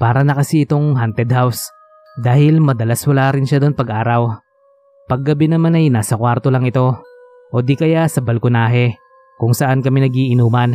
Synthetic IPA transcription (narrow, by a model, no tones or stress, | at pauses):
paːɾɐnɐkɐsiɪt̪o̞ŋɦant̪ɛd̪̚haws | d̪aːhɪlmɐd̪ɐlaswɐlaːɾɪnʃad̪o̞npɐɡʔaːɾɐw | pɐɡːɐbɪnɐmanɐjnaːsɐkwaɾt̪olɐŋɪt̪o̞ | ʔod̪ikɐjasɐbɐlkʊnaːɦɛ | kʊŋsɐʔankɐminɐɡiʔɪnuːmɐn